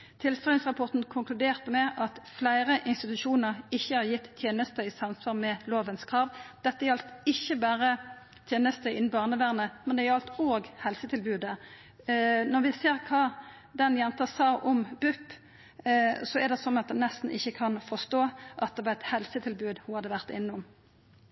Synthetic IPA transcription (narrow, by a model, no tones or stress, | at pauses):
t̪ʰɪlst̪ʁɑɪŋsʁɑpʰɔʁt̪n̩kʰʊŋkʰlʉd̪eːʁt̪əmɛʔɑt̪flæɪɾəʔɪnst̪ɪt̪ʉʂuːnəʁɪçːəhɑʁjɪt̪ːʰjeːnəst̪əɪsɑmsʋɑːʁmɛloːʋənskʰʁɑːʋd̪̥ɛt̪ːəɾɑlt̪ɪçːəbæːɾə | t̪ʰjeːnəst̪əɪn̩bɑːʁnəʋæʁnəmɛnd̪ɛæʊɑlt̪oːɡhɛlsət̪ʰɪlbʉːd̪ə | nɔɾʋɪseːʁkʰɑː | d̪ɛnjɛnt̪əsɑːʔɔmbʉpː | sɔɛɾd̪ɛsɔnːɑt̪̚d̪ɛnnːɛst̪n̩ɪçːəkʰɑnfɔst̪oːʔɑt̪̚d̪ɛʋɑːʁɛt̪hɛlsət̪ʰɪlbʉːd̪hʊhɑd̪əʋæʁt̪ɪnːʊm